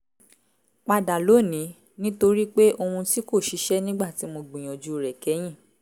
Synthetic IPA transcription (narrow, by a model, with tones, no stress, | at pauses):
k͡pa˧da˨lo˨˦˨nĩ˨˦ | nĩ˦to˧ɾi˦k͡pe˦ʔo˧hũ˧ti˦ko˦˨ʃi˨˦ʃɛ˦nĩ˦ɡ͡ba˦˨ti˨˦mo˧ɡ͡bĩ˨j̃ɔ̃˨d͡ʒu˦˨ɾɛ˨kɛ˨˦j̃ĩ˦˨